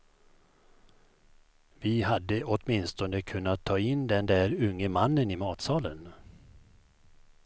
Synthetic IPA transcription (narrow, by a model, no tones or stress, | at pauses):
vɪɦad̪ːəʔɔt̪mɪnst̪ɔnəkʰɵnːat̪ʰːɑːɪnd̪ɛnd̪æːɾɵŋːəmanːənɪmɑːt̪sɑːlən